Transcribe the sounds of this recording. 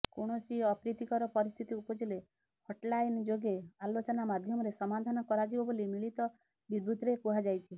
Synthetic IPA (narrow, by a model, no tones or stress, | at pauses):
koɽ̃ɔsiɔpɾit̪ikɔɾɔpɔɾist̪ʰit̪iupɔd͡ʒele | hoʈlajnd͡ʒoɡealot͡ʃɔnamad̪ʱjɔmɔɾesɔmad̪ʱanɔkɔɾad͡ʒibɔbolimiɭit̪ɔ | bid̪bʱut̪ɾepuɦad͡ʒajt͡ʃʰi